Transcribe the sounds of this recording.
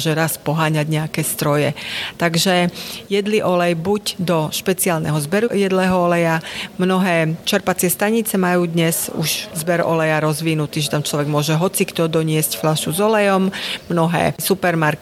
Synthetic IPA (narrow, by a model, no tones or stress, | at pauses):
ʒɛɾaspɔɦaːɲaɟɲɛakɛːst̪ɾɔjɛt̪aɡʒɛjɛd̪liʔɔlɛjbuɟd̪ɔʃpɛt͡sialnɛ̰ɦɔzbɛɾujɛd̪lɛɦɔɔlɛjamnɔɦɛːt͡ʃɛɾpat͡sɪɛst̪aɲit͡sɛmajuːd̪ɲɛzṵʃzbɛɾɔ̰lɛjaɾɔzʋinut̪iːʒɛt̪amt͡ʃlɔʋɛɡmʊɔʒɛɦɔt͡sikt̪ɔd̪ɔɲɪɛscflaʃuzɔlɛjɔmmnɔɦɛ̰ːsupɛɾmaɾk